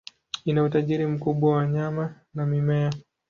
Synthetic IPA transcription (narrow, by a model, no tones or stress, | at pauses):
inautaʄiɾim̩kuɓwawaɲama | namimɛa